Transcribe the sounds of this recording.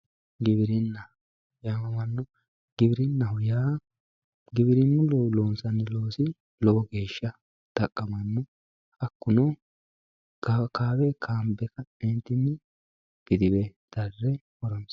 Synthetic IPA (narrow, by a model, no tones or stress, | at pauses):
ɡɪβɪɾɪnːɐ | jaːɐmɐnːɔ | ɡ̥ɪbɪɾɪnːɐhʊjaː | ɡɪbɪɾɪnːʊlɔloːnsɐnːɪlo̞ːsɪ | lɔʔɔɡe̞ːʃːɐ | d̪̥ɐkʼːɐmɐnːɔ | ɐkːʊnɔ | akaːbɛkʰaːmbɛkɐɛnt̪ːɪnːɪ | ɡ̥ɪd̪ɪbɛd̪̥ɐrːɛ | ɔɾɔns